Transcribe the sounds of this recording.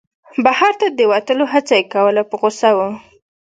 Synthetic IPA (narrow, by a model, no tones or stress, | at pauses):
bahɑɾt̪ad̪əwat̪əloɦat͡sajekawəlapəɣosawə